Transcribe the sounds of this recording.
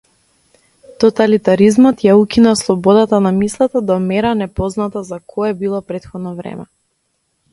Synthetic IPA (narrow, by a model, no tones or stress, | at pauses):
t̪ɔt̪alit̪aɾizmɔt̪jaukinaslˠɔbɔd̪at̪anamislˠat̪ad̪amɛɾanɛpɔznat̪azakʰɔɛbilˠɔpɾɛt̪xɔd̪nɔvɾɛ̰mɛ